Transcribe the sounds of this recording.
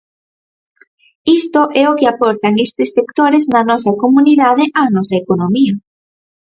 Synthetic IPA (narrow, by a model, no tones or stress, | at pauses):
ist̪oʔɛokeapɔɾt̪aŋest̪ɪsːekt̪oɾeznɐnɔsɐkomũniðaðeʔanɔsaekonomiɐ